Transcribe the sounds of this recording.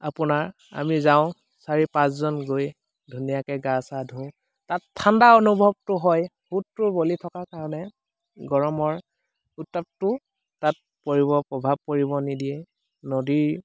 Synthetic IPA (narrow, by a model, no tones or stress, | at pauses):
apʊnaɹ | a̰mizaʊ̃ | saɹipãszɔnɡoj | dʱunijakɛɡasadʱʊ̃ | tatʰːandaonubʱɔb̚tʊɦɔj | hutːʊɹbolitʰɔkakaɹɔnɛ | ɡɔɹɔmɔɹ | utːap̚tʊ | tat̚ | poɹiβɔpɹɔbʱab̚koɹibɔnidijɛ | nodiɹ